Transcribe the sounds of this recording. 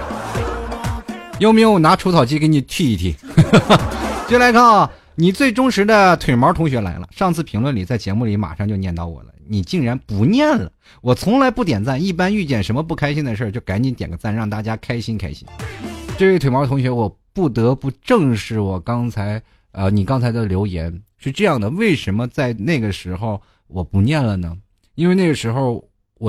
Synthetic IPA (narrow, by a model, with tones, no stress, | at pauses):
jo˧˥ʊme˧˥ʊwɔ˨˩na˧˥ʈ͡ʂʰu˧˥t͡sʰɑ˨˩ʊt͡ɕi˥ke˧˥ni˨˩t̪ʰy˥˧i˥˩t̪ʰḭ˨˩ | t͡ɕo˥˩˧la˧˥ɪkʰa˥˩˨ | ni˨˩t͡swe˥˩ɪʈ͡ʂʊ˥ŋʂɻ̩˧˥d̪ə˧t̪ʰwe˨˩ɪmə˧˥t̪ʰʊ˧˥ŋɕɥɛ˧˥la̰˧˥ɪlə̰˧ʂɑ˥˧ŋt͡sʰɹ̩˥˩pʰi˧˥ŋlwə˥˩nli˨˩t͡sa˥˩ɪt͡ɕjɛ˧˥mu˥˩li˧˥ma̰˨˩ʂɑ˥˧ŋt͡ɕjo˥˧njɛ˥˧nt̪ɑ˥˩ʊwɔ̰˨˩lə̰˦ni˨˩t͡ɕi˥˩ŋɻa˧˥npu˧˥njɛ˥˩nlə̰˩ | wɔ˨˩t͡sʰʊ˧˥ŋla˧˥ɪpu˥˩t̪̬jɛ˨˩nt͡sa˥˩ni˥˩pa˥ny˥˧t͡ɕjɛ˥˩nʂə˧˥nmə˧pu˥˩kʰa˥ɪɕi˥nd̪ə˨ʂ̬ə˞˥˧t͡ɕjo˥˩ʊka˧˥nt͡ɕi˧˥nt̪jɛ˨˩ŋɡə˦t͡sa˥˩nɻɑ˥˧ŋt̪a˥˩t͡ɕja˥kʰa˥ɪɕi˥nkʰa̰˥ɪɕḭ˥nʈ͡ʂɤ˥˧we˥ɪt̪we˧˩mɔ˧˥t̪ʰʊ˧˥ŋɕɥɛ˧˥wɔ˨˩pu˥˩t̪ɤ˧˥pu˧˥˧ʈ͡ʂɤ˥˧ŋʂɻ̩˥˩wɔ˨˩kɑ˥ŋt͡sʰa˧˥ɪ | ə˧ni˨˩kɑ˥ŋt͡sʰa˧˥ɪd̪ə˧ljo˧˥ʊjɛ̰˧˥nʂɻ̩˥˧ʈ͡ʂɤ˥˧jɑ˥˩ŋd̪ə˩we˥˩ɪʂə˧˥nmə˧t͡sa˥˧ɪna˥˩ɪɡə˩ʂɻ̩˧˥xo˥˧ʊ | wɔ˨˩pu˧˥njɛ˥˩nlə˩nə˩ | i˥nwe˥˧ɪna˥˩ɡə˩ʂɻ̩˧˥xo˥˧ʊ | wɔ˨˩